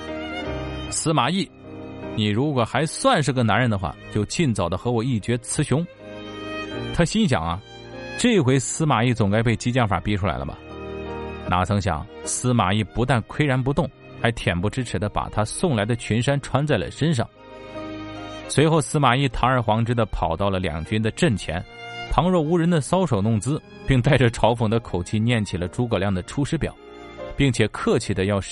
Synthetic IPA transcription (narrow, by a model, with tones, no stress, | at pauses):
sɹ̩˧˥ma˨˩i˥˩ | ni˨˩ɻu˧˥kwɔ˨˩xa˧˥ɪswa˥˧nʂ̬ɻ̩˥˩ɡə˧˩na˧˥nɻə˧˥nd̪ə˧xwa̰˥˧t͡ɕjo˥˧ʊt͡ɕi˥˩nt͡sɑ˨˩ʊd̪ə˦xɤ˧˥wɔ˨˩i˥˩t͡ɕɥɛ˧˥t͡sʰɹ̩˧˥ɕjʊ˧˥ŋ | t̪ʰa˥ɕi˥nɕ̬jɑ̰˨˩ŋɐ̰˦ | ʈ͡ʂɤ˥˧i˧˥xwe˧˥ɪsɹ̩˥ma˨˩i˥˩t͡sʊ˨˩ŋka˥ɪp̬e˥˩ɪt͡ɕi˥t͡ɕjɑ˥˩ŋfa̰˨˩pi˧˥ʈ͡ʂʰu˥la̰˧˥ɪlə̰mɐ̰˩ | na̰˧˥t͡sʰɤ˧˥ŋɕ̬jɑ̰˨˩˦ŋsɹ̩˥ma̰˨˩i˥˩pu˧˥t̪a˥˩nkʰwe˥ɪɻa˧˥np̬u˧˥t̪ʊ˥˩ŋ | xa˧˥ɪt̪ʰjɛ˨˩npu˧˥ʈ͡ʂɻ̩˥ʈ͡ʂʰɻ̩˧˥d̪ə˧pa̰˨˩t̪ʰa˥sʊ˥˩ŋla˧˥ɪd̪ə˧t͡ɕʰy˧˥nʂa˥nʈ͡ʂʰwa˥nt͡sa˥˩ɪlə̰˩ʂə˥nʂ̬ɑ̰˥˩ŋ | swe˧˥ɪxo˥˩ʊsɹ̩˥ma˨˩i˥˩t̪ʰɑ˧˥ŋə˞˧˩xwɑ˧˥ŋʈ͡ʂɻ̩˥d̪ə˨pʰɑ˨˩ʊt̪ɑ˥˩ʊlə˩ljɑ̰˨˩ŋt͡ɕy˥nd̪ə˨ʈ͡ʂə˥˩nt͡ɕʰjɛ̰˧˥n | p̪ʰɑ˧˥ŋɻwɔ˥˩u˧˥ɻə˧˥nd̪ə˨sɑ˥ʊʂo˨˩ʊnʊ˥˩ŋt͡sɹ̩˥ | pi˥˧ŋt̪a˥˩ɪʈ͡ʂə˨˩ʈ͡ʂʰɑ˧˥ʊpʰʊ˨˩ŋd̪ə˦kʰo˨˩ʊt͡ɕʰi˥˧njɛ˥˩nt͡ɕʰi˨˩lə˦ʈ͡ʂu˧˥kɤ˨˩ljɑ˥˩ŋd̪ə˩ʈ͡ʂʰu˥ʂɻ̩˥pjɑ̰˨˩˦ʊ | pi˥˩ŋt͡ɕʰjɛ˨˩kʰɤ˥˧t͡ɕʰi˨˩d̪ə˦jɑ˥˧ʊ